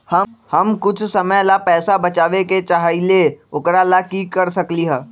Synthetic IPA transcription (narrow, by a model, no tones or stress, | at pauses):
hɐhɐmkʊt͡ʃʰsɐməjlapɛːsabɐt͡ʃaːʋeket͡ʃaɦaileʊkɾalakiːkɐɾsɐkliɦɛː